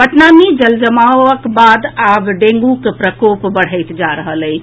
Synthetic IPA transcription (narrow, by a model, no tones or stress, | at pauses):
bəʈnamed͡ʒəld͡ʒəmawəkbad̪abɖẽŋɡukepɾəkopbəɽ̤əjt̪d͡ʒaɾəɦələj